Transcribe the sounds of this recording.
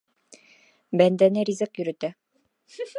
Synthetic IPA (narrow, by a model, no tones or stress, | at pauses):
bænd̪ænɘɾʲizɤkjɵ̆ɾɵ̆t̪æ